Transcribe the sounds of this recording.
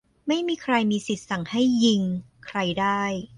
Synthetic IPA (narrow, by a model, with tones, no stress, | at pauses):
ma˥˩jmiː˧kʰɾa˧jmiː˧si˨˩t̪̚sa˨˩˦ŋha˥˩jːi˧ŋkʰɾa˧jdaː˥˩j